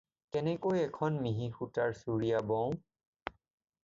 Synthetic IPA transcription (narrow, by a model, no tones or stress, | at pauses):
kɛnɛkojɛkʰɔnmiɦixutaɹsuɹijabɔ̃w̃